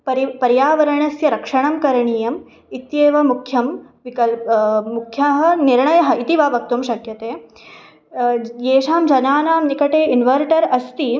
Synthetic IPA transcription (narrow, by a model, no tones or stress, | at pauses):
pɐɾipɐɾjaːʋɐɾɐɳɐsjɐɾɐkʂɐɳɐmkɐɾɐɳiːjɐm | it̪jeːʋɐmukʰjɐmʋikɐlmukʰjɐɦɐ̆niɾɳɐjɐɦɐ̆it̪iʋaːʋɐk̚t̪umʃɐkjɐt̪eː | jeːʂaːmd͡ʒɐnaːnaːmnikɐʈeːinʋɐɾʈɐɾɐst̪i